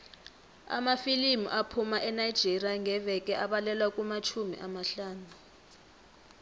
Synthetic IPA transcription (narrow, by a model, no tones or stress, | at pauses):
a̰mafilimuʔapʰumaʔɛnajd̥d͡ʒ̥ʱeriaŋʱɛvɛk̬ʼɛʔaɓalɛlwakʼumat͡ʃʰumḭʔamaɬaːnu